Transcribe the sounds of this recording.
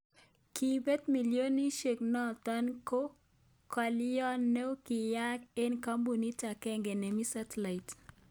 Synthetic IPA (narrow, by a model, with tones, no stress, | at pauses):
ki˨bɛ˦t̪mi˨ljo˦ni˦ʃe˨k̚nɔ˦t̪a˦nko˦ | ka˨ljɔ˦nːe˦ki˨ja˦ke˦nka˦mbu˨ni˦ta˨kɛ˦ŋɡe˨ne˨mi˦sa˦tla˨i˨t